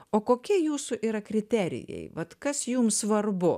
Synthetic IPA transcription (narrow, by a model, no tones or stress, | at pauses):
oːkoːkʲiɛjuːsʊʔiːɾɐkɾʲɪt̪ʲæːɾʲɪ̰jɛ̰ɪʋɐt̪kɐsjuːmsʋɐrbʊ